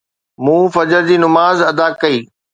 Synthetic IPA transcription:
mũːfɐd͡ʑəɾd͡ʑiːnʊmaːzɐd̪akɐiː

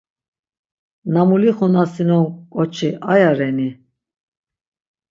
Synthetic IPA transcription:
namuliχɔnasinɔnkʼɔt͡ʃʰiʔajaɾɛni

